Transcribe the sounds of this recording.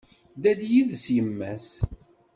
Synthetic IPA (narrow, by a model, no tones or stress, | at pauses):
d̪æd̪jiðsjəmːæs